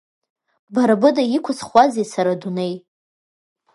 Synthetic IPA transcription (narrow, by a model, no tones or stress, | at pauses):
baɾabɨdajikʷʰat͡sχʷazesaɾadunej